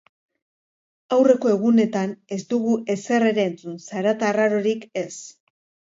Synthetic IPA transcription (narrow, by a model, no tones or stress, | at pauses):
awre̞ko̞e̞ɣ̞une̞t̪ane̞zd̪uɣuʔe̞se̞re̞ɾe̞ːnt͡sunsaɾat̪araɾo̞ɾike̞s